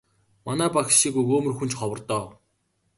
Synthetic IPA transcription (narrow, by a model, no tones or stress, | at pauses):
manæːpaxʃiːkujkoːmɵ̆rxun̥t͡ɕχɔwə̆rt̪ɔː